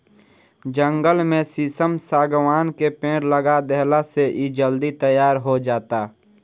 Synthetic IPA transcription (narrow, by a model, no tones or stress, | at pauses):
d͡ʒə̃ŋɡəlmẽsisəmsaːɡʋaːnkepẽːɽləɡad̪ɛɦlaseʔid͡ʒəld̪it̪əjaːɾɦod͡ʒaːt̪aː